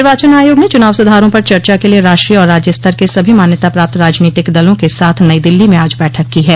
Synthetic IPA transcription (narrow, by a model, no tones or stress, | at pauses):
ɪɾʋaːt͡ʃənaːjoːɡnẽt͡ʃʊnaːʋsʊd̪ʱaːɾõpɐɾt͡ʃɐɾt͡ʃakelieɾaːʃʈɾiːɔːɾːaːd͡ʒjəst̪ʰəɾkesɐbʱimaːnjət̪apɾaːp̚t̪ɾaːd͡ʒniːt̪ɪkd̪ɐlõkesaːt̪ʰnɐid̪ɪlːimẽaːd͡ʒbɛːʈʰəkːiɦɛː